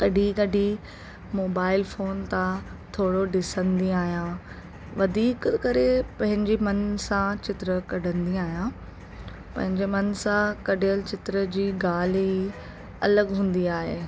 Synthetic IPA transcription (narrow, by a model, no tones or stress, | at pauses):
kɐɖʱikɐɖi | moːbaːɪlfoːnt̪ãt̪ʰoːɽoɖɪsə̃nd̪ĩaːɦijã | ʋɐd̪ʱiːkkɐɾepɐ̃ɦɪ̃ɲd͡ʑemɐnsãt͡ɕɪt̪ɾəkɐɖʱə̃nd̪iaːɦijãː | pɐ̃ɦɪ̃ɲd͡ʑemɐnsãkɐɖijəlɪt͡ɕɪt̪ɾəd͡ʑiːɡaːli | ɐ̰ləɡɦũːn̆d̪iaːɦḛː